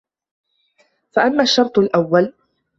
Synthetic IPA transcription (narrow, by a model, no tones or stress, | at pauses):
faʔamːaːʃːɑɾˤt̪ˤalʔawːal